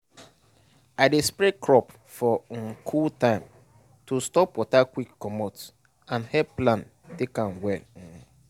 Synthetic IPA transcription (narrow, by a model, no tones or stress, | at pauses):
aɪdespɹekʰɹɔp | fɔŋ̩kʰultãɪ̃m | tustɔpwɔtakwikːɔmɔts | ãnhɛplãn | tekãnwɛŋ̩